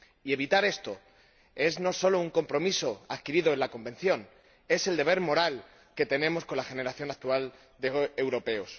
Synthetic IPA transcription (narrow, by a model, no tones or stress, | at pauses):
ie̞β̞it̪aɾe̞st̪o̞ | e̞zno̞so̞louŋko̞mpɾo̞miso̞aðkiɾiðoe̞nlako̞mbe̞nθjo̞n | e̞se̞ld̪e̞β̞e̞ɾmo̞ɾal | ke̞t̪e̞nẽ̞mo̞sko̞nlaxe̞ne̞ɾaθjo̞nak̚t̪ual | d̪eewɾo̞pe̞os